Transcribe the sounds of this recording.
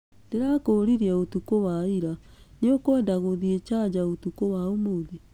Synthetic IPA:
d̥eɾakoɾiɾiaotukowaiɾaneokwɛndaɣoðiet͡ʃad͡ʑaotukowaomoði

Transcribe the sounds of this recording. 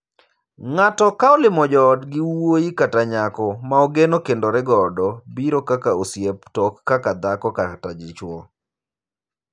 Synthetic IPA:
ŋatɔkaolɪmɔd͡ʒɔdɡɪwoikataɲakɔmaoɡenokendoɾɪɡɔdɔbiɾokakaosjeptɔkːakad̪akɔkatad͡ʒɪt͡ʃwɔ

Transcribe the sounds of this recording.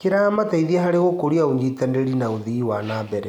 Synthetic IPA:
keɾaːmataiðiaɦaɾeɣokoɾiaoɲd͡ʒitɛndeɾinaoðiwanabɛɾɛ

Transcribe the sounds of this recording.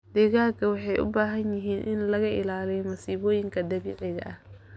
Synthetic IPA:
d̪̥ɛɣaːkʰɐwɑħɑjʔʊ̰baːɦɐnjɪɦiːnʔɪnlɐɣɐʔɪlaːlɛjmɐsiːβɔːjɪŋkʰɐd̪ɐβiːʕɪɣɐ̰ʔɐh

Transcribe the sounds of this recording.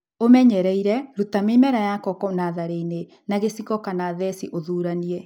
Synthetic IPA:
omɛɲɛɾɛiɾɛɾutamemɛɾajakɔkɔnaðaɾeine | naɣesikɔkanaðɛsiʔoðuːɾaniɛ

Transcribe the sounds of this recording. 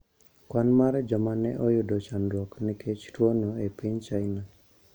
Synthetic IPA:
kwanmaɾɛd͡ʒɔmanɛʔɔjudɔt͡ʃandɾɔknikʰet͡ʃʰi̥ʈʰɔnɔepʰeɲt͡ʃajna

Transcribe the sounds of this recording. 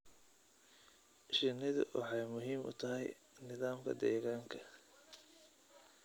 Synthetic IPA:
ʃɪnɪðʊ̰wʔɑ̰ħɑjmʊɦiːmʊ̰t̪ʰɐɦɛj | nɪðaːmkʰɐ̰d̪ɛːɣaːŋkʰɐ

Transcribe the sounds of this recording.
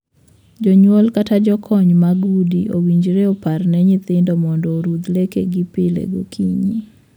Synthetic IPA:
d͡ʒɔɲwɔlkatad͡ʒɔkʰɔɲmaɡudiowiɲd͡ʒɾeɔparnɛɲɪt̪ɪndɔmɔndɔɾud̪lekḛɡipɪlḛɡokʰiɲi

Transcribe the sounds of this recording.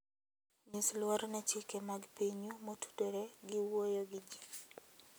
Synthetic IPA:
ɲislwɔɾnɛt͡ʃikemaɡpiɲumotu̥teɾeɡɪwojoɡɪd͡ʒi

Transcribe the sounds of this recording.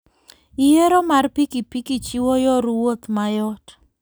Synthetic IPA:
ijeɾomarpikipikit͡ʃiwɔjɔɾwot̪majɔt

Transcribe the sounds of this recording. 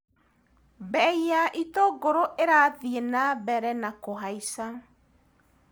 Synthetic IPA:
bɛiaʔitoɡoɾoʔeɾaðienabɛɾɛnakoɦaisa

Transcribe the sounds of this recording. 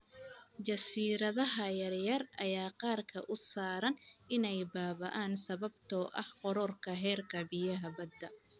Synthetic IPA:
t͡ʃɐsiːɾɐðɐɦɐjɐrjɐrʔɐjaːqɑːrkʰɐ̰ʔʊsaːɾɐnɪnɛjbaːβɐʔaːnsɐβɐb̚t̪ʰɔːʔɐhqɔɾɔrkʰɐɦɛːrkʰɐbɪjɐɦɐbɐd̪ːɐ

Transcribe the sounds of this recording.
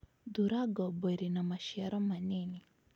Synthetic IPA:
d̪uɾaɡɔbeɾinamaʃjɛɾɔmanɪni

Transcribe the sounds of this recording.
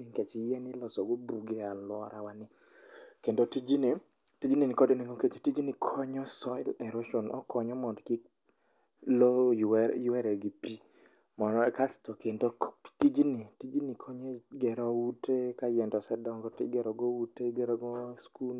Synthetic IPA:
iŋket͡ʃijɛnɪlɔsɔɡobuɡealwɔ̰ɾʔa̰wanɪ | kendotid͡ʒine | tid͡ʒininɪkɔdeniŋɡoket͡ʃotid͡ʒinikʰɔɲɔsɔɪlɛɾoʃonʔɔ̰kɔɲɔmɔdkɪ | lojjɛɾɛɡipi | mɔnɔkastokendotid͡ʒinitid͡ʒinikʰoɲeɡɛɾɔutekajɛndɔsɛdɔŋɡɔtɪ̰ɡɛɾɔɡouteɡɛɾɔɡɔsku

